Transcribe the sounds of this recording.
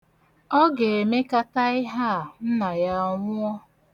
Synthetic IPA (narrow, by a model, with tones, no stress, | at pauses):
ɔ˦ɡe˨e˨me˦ka˦ta˦ɪ˦ɦa˦˨n̩˦na˨ja˦ŋʷʊ˦ɔ˦